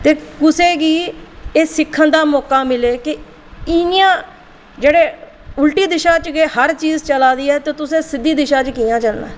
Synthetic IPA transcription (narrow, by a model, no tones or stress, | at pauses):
t̪eːkʊsẽːɡiːeːsɪkʰːənd̪aːmɔːkaːmɪleːkɪ | ɪnɪjãː | d͡ʒeːɽeː | ʊlʈiːd̪ɪʃãːt͡ʃɡeːhəɾt͡ʃiːzt͡ʃəlaːd̪iːɛːt̪eːt̪ʊsẽːsɪd̪ːiːd̪ɪʃãːt͡ʃkiːãːt͡ʃəlna̰ː